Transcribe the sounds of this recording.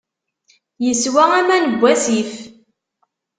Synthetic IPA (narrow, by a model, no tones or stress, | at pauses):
jəswææmænəbʷːæsif